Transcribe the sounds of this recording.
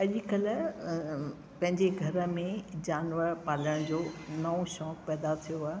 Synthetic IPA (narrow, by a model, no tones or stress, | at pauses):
ɐʄkɐl | pɐ̃ɦɪ̃ɲd͡ʑeɡʱɐɾə̆mẽd͡ʑaːnʋəɾpaːləɽ̃d͡ʑoːnɐõʃɔːk̚pɛːd̪at̪ʰijoaː